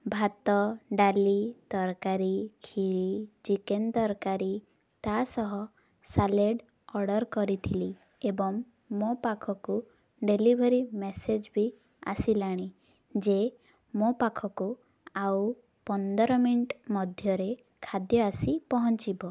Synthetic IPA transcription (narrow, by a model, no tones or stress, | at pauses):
bʱat̪ɔɖalit̪ɔɾkaɾikʰiɭid͡ʒikend̪ɔɾkaɾi | t̪asɔɦɔ | saleɖ | ɔɽɔɾkɔɾit̪ʰili | ebɔŋ | mːopakʰɔku | ɖelibʱeɾimesed͡ʒbi | a̰silaɽ̃i | d͡ʒe | mopakʰɔku | aw | pɔnd̪ɔɾɔmiɳʈmɔd̪ʱjɔɾe | kʰad̪jɔasipɔɦɔnt͡ʃibɔ